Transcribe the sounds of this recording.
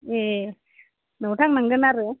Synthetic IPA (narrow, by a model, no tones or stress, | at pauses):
e | nawʈʰaŋnaŋɡɯnaɾɯ